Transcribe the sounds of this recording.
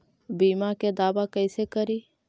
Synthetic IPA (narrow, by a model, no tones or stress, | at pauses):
biːmaked̪aːbakəɪsekəɾiː